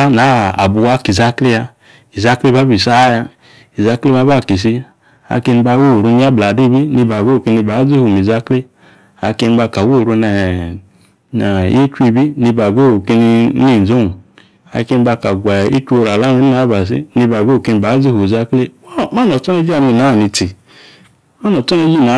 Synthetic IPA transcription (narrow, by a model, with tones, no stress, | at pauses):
a˦na˨˦a̰˨bu˧wa˦ki˨za˦kle˦ja˧ | i˨za˦kle˦ba˦bi˨sa˦ja˧ | i˨za˦kle˦ba˦ba˦˨ki˨s̬i˧ | a̰˨ke˧ni˧ba˧wo˦˨ɾu˧ni˦a˦bla˨di˦˨bi˦ni˧ba˨ɡo˦˨ke˧ni˧ba˨˦zi˦hu˨mi˨za˦kle˦ | a̰˨˧ke˧ni˧ba˧˨ka˨wo˦˨ɾu˧nɛ˨ | na˨je˦t͡ʃʷi˧˨bi˦ni˧ba˨ɡo˦˨ke˧ni˧˦ni˦˨n˨zo˦˨ | a̰˨ke˧ni˦ba˧ka˨ɡʷa˨ḭ˦t͡ʃʷo˧ɾa˨la˦mi˦n˦na˨˦ba˨s̬ḭ˦ni˧ba˨ɡo˦˨ke˧ni˧˨ba˨˦zi˦hu˨za˦kle˦ma˦no˨tɔ˦ne˦d͡ʒi˦a˨ni˧˨na˨˦˨ni˨˧ti˨ | ma˦no˨˦tɔ˦ne˦d͡ʒi˦˨na˨˦